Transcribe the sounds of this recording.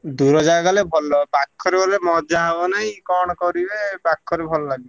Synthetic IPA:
d̪uɾɔd͡ʒaɡalebʱɔlɔpakʰːɔɾebɔlemɔd͡ʒaɦebɔnaɦĩkɔɽ̃ɔkɔɾibepakʰːɔɾebʱɔlɔlaɡib

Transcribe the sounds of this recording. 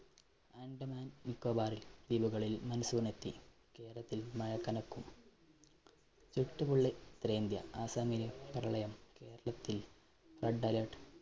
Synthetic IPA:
aːɳɖɐmaːnnikːoːbaːɾild̪iːbuɣɐɭilmɐnusuːrnet̪ːi | ke̞ːɾɐɭɐt̪ːilmɐjɐkːɐnɐkːum | t͡ɕuʈːubuɭːet̪ɾeːnd̪jɐ̰aːsaːmiɾjɐprɐɭɐjɐmke̞ːɾɐɭɐt̪ːil | rɐɖːɐlɐʈ

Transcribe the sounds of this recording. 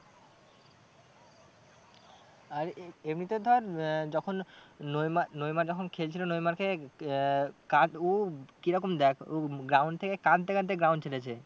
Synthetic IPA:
aɾebɾit̪od̪ʱɔɾd͡ʑɔkʰonːojmanojmaɾd͡ʑɔkʰonkʰelt͡ɕʰilonojmaɾke | kaokiɾɔkomd̪ɛkʰoɡɾawnɖt̪ʰekekãnt̪ekãnt̪̬eɡɾawnɖt͡ɕʰelet͡ɕʰe

